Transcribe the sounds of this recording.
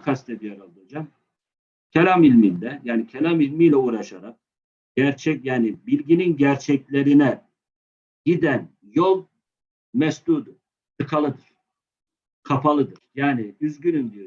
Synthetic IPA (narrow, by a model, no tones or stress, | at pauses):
kʰast̪ʰɛb̪ijaɾalˠad͡ʒam | cʰelʲamilʲminlɛjaːnicʰelʲamilʲmijlʲɛuːɾaʃaɾak̚ | ɟ̥æɾt͡ʃʰɛcjaːnibilʲɟininɟæɾt͡ʃʰɛclʲe̞ɾinɛ | ɟid̪æn | jolˠ | mɛsd̪uːd̪uɾ̥ | sʰɯkʰalˠɯd̪ɯɾ̥ | kʰapʰalˠɯd̪ɯɾ̥jaːniyzɟynymd̪ijo